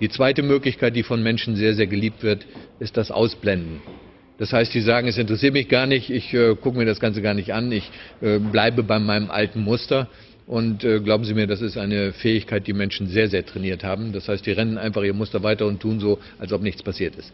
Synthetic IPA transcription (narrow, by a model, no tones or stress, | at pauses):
d̥iːt͡sv̥aɪtəmøːklɪçkʰaɪt̚d̥iːfɔnmɛnʃn̩zeːɐzeːɐɡəliːp̚tv̥ɪɐtʔɪst̚d̥asʔa̰ʊsb̥lɛndn̩ | d̥ashaɪstz̥iːzaːɡŋ̩ɛsɪntəʁɛsiːɐtmɪçɡ̥aːɐnɪçtɪçʔɛːkʰʊkəmiːɐɾasɡ̥ant͡səɡaːɐnɪçtʔanɪçʔɛːblaɪbəbaɪmaɪnəmʔa̰ltn̩mʊstɐ | ʔʊntʔɛːɡlaʊbm̩ziːmiːɐdas̬ɪstʔaɪnəfɛːɪçkʰaɪt̚d̥iːmɛnʃn̩zeːɐzeːɐtʁ̥ɛniːɐthaːbm̩d̥ashaɪstz̥iːʁɛnn̩ʔaɪnfaχʔiːʁəmʊstɐvaɪtɐʊntʰːuːnzoː | ʔalsʔɔpnɪçt͡spʰasiːɐtɪst